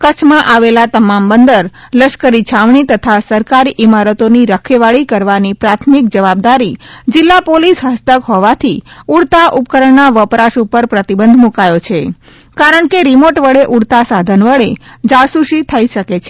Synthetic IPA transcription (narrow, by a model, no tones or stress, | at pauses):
kət͡ʃʰmãʔaʋelat̪əmambənd̪əɾ | ləʃkəɾit͡ʃʰaʋɳit̪ət̪ʰasəɾkaɾiʔɪmaɾət̪oniɾəkʰeʋaɭikəɾʋanipɾat̪ʰmik̚d͡ʒəʋab̚d̪aɾid͡ʒɪlːapolisɦəst̪əkɦɔʋat̪ʰiuɽt̪aʔup̚kəɾəɳnaʋəpɾaʃupəɾpɾət̪ibənd̪ʱmukajot͡ʃʰe | kaɾəɳkeɾimoʈʋəɭeʔuɽt̪asad̪ʱənʋəɭed͡ʒasuʃit̪ʰəiʃəket͡ʃʰe